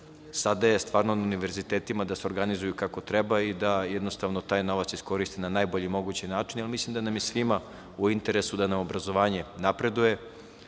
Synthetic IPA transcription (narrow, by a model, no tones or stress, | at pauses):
sad̪ajest̪ʋaːɾnonauniʋe̞ɾzit̪eːt̪imad̪aseoɾɡanizujukako̞t̪ɾɛbaid̪ajɛd̪nost̪aʋnot̪aːjno̞ʋat̪sisko̞ɾist̪inanaːjbo̞ʎimo̞ɡut͡ɕinaːt͡ʂinalˠmislˠimd̪anamjesʋima | uint̪eɾesud̪anamobɾazo̞ʋaːɲenapɾe̞d̪uje̞